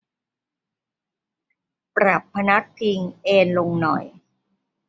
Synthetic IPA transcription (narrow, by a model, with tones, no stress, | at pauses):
pɾa˨˩pʰːa˧na˦˥k̚t̪ʰi˧ŋʔeː˧nlo˧ŋnɔ̰˨˩j